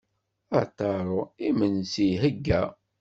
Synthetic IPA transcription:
æt̪ɑɾˤoimənsiɦəɡːæ

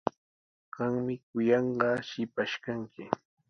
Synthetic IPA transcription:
ɢ̥ɑŋmɪkʊjɑɴɢɑʃɪpaʃkaŋkɪ

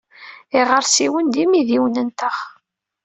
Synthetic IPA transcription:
iʁəɾsiwənd̪imiðiwnənt̪əχ

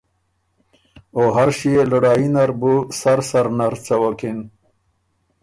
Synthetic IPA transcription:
oɦaɾʃieluɽɑːinaɾbusaɾsaɾnaɾt͡sawakin

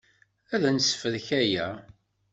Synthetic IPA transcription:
æðænsfəðçæjæ

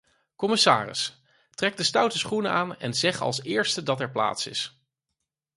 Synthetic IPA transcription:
kɔmɪsa̰ːrɪ̰s | trɛɡ̚dəstʌwtəsχunəaːnɛ̰nzɛχɑ̰lˠsɪːɹstədɑtɛɹpla̰ːtsɪ̰s

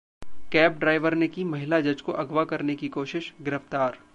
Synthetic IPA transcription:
kɛːp̚ɖɾaːɪʋəɾnekimɐɦɪlad͡ʒɐd͡ʒkoʔɐɡʋakɐɾnekikoːʃɪʃɡɪɾəft̪aːɾ

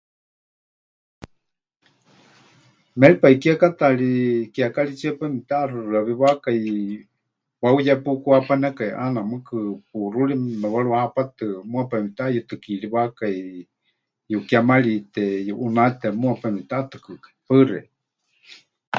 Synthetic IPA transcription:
mɛɺipaikiakat̪aɺikiakaɺit͡ʃiapamit̪arɨrɨaβiβakai | waujapukuapanɛkaiʔanamɨkɨp̚uruɺimɛwaɺuwahapat̪ɨmuapamit̪ajut̪ɨkiɺiβakai | jukjamaɺit̪ɛjuʔunat̪ɛmuapamit̪at̪ɨ̥kɨkḁipərɛ̰

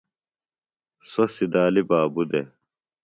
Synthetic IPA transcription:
sosid̪aːlibaːbud̪e

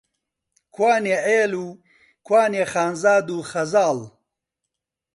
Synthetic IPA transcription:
kwaːneeːlu | kwaːneχaːnzaːd̪uːxɐzaːl

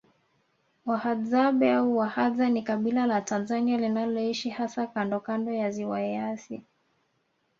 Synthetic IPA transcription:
wahazaɓɛauwahazanikaɓilalatanzanialinalɔiʃihasakandɔkandɔjaziwaɛasi

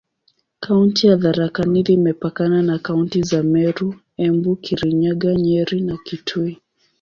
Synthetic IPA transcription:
kʰauntijaðaɾakaniðimɛpakananakauntizamɛɾu | ɛmbukʰiɾiɲaɠaɲɛɾinakitʰui

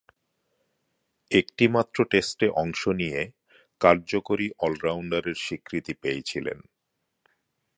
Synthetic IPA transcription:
ekʈimat̪ːɾoʈesʈeʔɔŋʃonije | kaɾd͡ʑokoɾiʔɔlɾawɳɖaɾeɾʃikɾit̪ipeet͡ɕʰilḛn

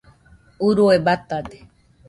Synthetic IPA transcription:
uɾuebat̪ad̪e̥

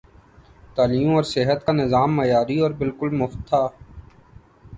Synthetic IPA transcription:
t̪aːliːmɔːɾsɪɦət̪kanɪzaːmːɐjaːɾiɔːɾbɪlkʊlmʊft̪ʰːaː

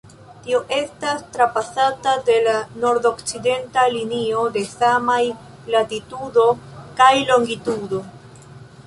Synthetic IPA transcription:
tio̞ʔe̞stastɾapasatade̞lano̞ɾdo̞kt͡side̞ntalinio̞de̞samaj | latitudo̞kajlo̞ŋɡitudo̞

